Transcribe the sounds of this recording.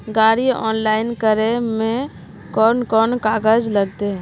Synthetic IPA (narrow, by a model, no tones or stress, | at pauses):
ɡaːɾiɔ̰ːnlaːɪnkəɾemẽ | kɔːnkɔːnkaːɡəd͡ʒləɡt̪eɦɛ̃